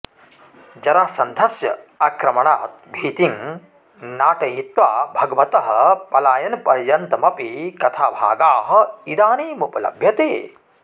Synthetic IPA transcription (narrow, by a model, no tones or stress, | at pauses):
d͡ʒɐɾasɐnd̪ʱɐsjɐ̰ɐkɾɐmɐɳaːt̪̚bʱiːt̪iŋ | naːʈɐɦit̪ʋaːbʱɐɡɐʋɐt̪ɐɦɐpɐlaːjɐnpɐɾjɐnt̪ɐmɐpikɐt̪ʰaːbʱa̰ːɡaːɦɐ̆id̪aːneːmupɐlɐ̰bʱjɐt̪eː